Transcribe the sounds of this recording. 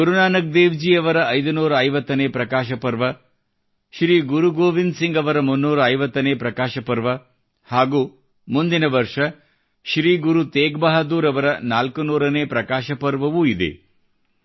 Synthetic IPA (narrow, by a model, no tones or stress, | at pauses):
kuɾunaːnɐɡ̚d̪eːʋd͡ʒiːɐʋɐɾɐʔɐjd̪unuːɾɐːjʋɐt̪ːɐneːpɾɐkaːʃɐpɐɾʋɐ | ʃɾiːɡuɾuɡoːʋind̪siŋɡɐʋɐɾɐmunːuːɾɐɐjʋɐt̪ːɐneːpɾɐkaːʃɐpɐɾʋɐ | haːɡuː | mund̪inɐʋɐɾʂɐ | ʃɾiːɡuɾut̪eːɡbɐɦɐd̪uːɾɐʋɐɾɐnaːlkunuːɾɐneːpɾɐkaːʃɐpɐɾʋɐʋuid̪ḛ